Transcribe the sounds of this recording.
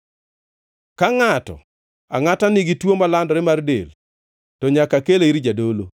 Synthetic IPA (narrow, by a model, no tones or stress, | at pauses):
kaŋatɔ̰ | a̰ŋatanɪɡitwomalandɔɾɪmardḛl | tɔɲakakeleiɾid͡ʒadolo